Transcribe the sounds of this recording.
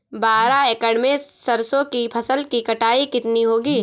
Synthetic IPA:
baːɾaeːkəɽmẽsɐɾsõkipʰɐsəlkikɐʈaːikɪt̪niɦoːɡiː

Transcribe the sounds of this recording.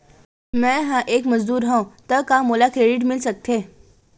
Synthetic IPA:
mɛ̃ɦãʔeːkməzd̪uːɾɦãt̪əkamolakɾeɖiʈmɪlsək̚t̪ʰe

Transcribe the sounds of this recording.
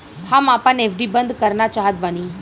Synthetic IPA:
hamapanefɖibənd̪ʱkəɾɳat͡ɕaɦət̪̚bañi

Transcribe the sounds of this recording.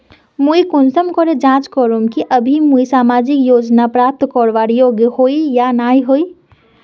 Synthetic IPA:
muikonsəmkɔɾed͡ʒãt͡ʃkɔɾomkiʔəbʱimuisamad͡ʒikjod͡ʒnapɾap̚t̪kɔɾʋaɾjoɡjəhoijanaiɦoi

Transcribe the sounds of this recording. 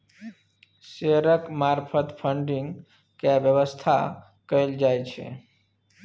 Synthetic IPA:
seɦɾəkmaɾpʰət̪pʰə̃ɳɖɪ̃ŋɡ | kaʋjəʋəst̪ʰa | kəeld͡ʒajt͡ʃʰḛ

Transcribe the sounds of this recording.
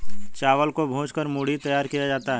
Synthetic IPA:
t͡ʃaːʋəlkobʱõːt͡ʃkəɾmuːɽ̤it̪ɐjaːɾkijad͡ʒaːt̪aɦɛ

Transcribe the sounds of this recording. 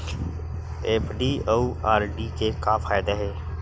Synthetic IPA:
eːpʰɖiːouaːɾɖiːkekaːfʰaːjd̪aɦɛː

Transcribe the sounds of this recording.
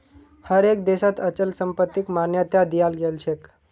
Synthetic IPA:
həɾek̚d̪eʃat̪ət͡ɕəlsəmpət̪ːikmanjət̪jad̪ijalɡelt͡ɕʰek

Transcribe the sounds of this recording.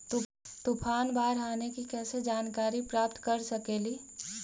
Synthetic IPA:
t̪upʰaːnbaːɾaːnekikɛːsed͡ʒaːnkaːɾipɾaːp̚t̪kɐɾsəkeːliː

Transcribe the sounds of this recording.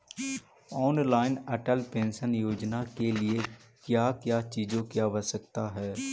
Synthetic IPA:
ɔːnlaːɪnəʈəlpẽːnsənjoːd͡ʒnakeliekjaːkjaːt͡ʃiːd͡ʒõkjabəsəkt̪aɦɛː

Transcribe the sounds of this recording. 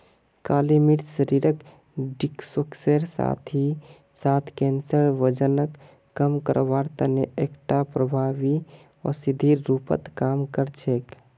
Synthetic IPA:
kalimiɾsəɾiɾək | ɖiksəkseɾsa̰t̪ʰi | sat̪ʰkɛnsəɾʋəd͡ʒənəkː | əmkə̰ɾbaɾt̪əneekʈapɾəbʱabi | ɔ̰sid̪ʱiːupə̰t̪kamkəɾt͡ʃʰek

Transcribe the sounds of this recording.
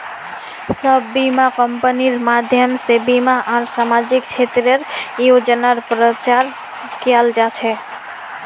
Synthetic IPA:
səbːimakəmpəniɾmad̪ʱjəmsebimaʔaɾsamad͡ʒik̚t͡ʃʰet̪ɾəɾjod͡ʒənaɾpɾət͡ʃaɾ | kjald͡ʒat͡ʃʰɛ

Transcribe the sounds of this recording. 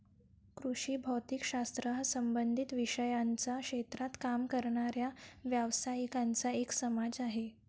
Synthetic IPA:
kɾuʂiːbʱəwt̪ikɕast̪ɾəɦəsəmbənd̪ʱit̪ʋiʂəjant͡sakʂet̪ɾat̪kamkəɾɳaɾjaʋjaʋsaikant͡saeksəmad͡zaɦe

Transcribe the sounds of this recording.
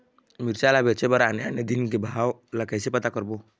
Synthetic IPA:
miɾsalabɛt͡ʃɛbaɾanɛanedinɡibaɦawlakajsipatakɔɾbʊ

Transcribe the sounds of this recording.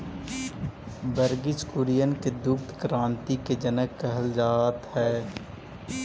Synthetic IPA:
bəɾɡɪt͡ʃkʊɾijənked̪ʊkt̪kɾãːnt̪iked͡ʒənəkːəɦəld͡ʒaːt̪hɛː

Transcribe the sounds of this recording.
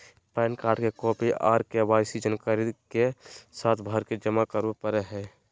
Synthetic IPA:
pɛːnkaːɾɖkekɔːpiʔaːɾkeʋaːɪsid͡ʒənkaɾid̪kesaːt̪ʰbʱəɾked͡ʒəmakəɾupəɾeɦɛː

